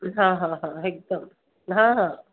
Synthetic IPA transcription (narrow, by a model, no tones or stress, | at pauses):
ɦãːɦãːɦãek̚d̪ɐm | ɦãːɦãː